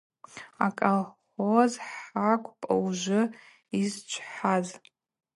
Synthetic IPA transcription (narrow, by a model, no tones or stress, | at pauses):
akʼal | ozħakʷʼpʼa̰uʒʷʊ | izt͡ʃʷʰħaz